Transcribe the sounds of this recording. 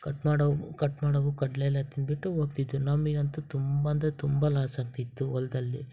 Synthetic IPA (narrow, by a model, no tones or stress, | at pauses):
kɐʈmaːɽɐkɐʈmaːɽɐʋukɐɖlelɐt̪inbiʈːuoːɡ̚t̪id̪ːunɐmːiɡɐnt̪ut̪umbɐnd̪ɐt̪umbɐlaːsaːɡ̚t̪it̪ːuɔld̪ɐlːi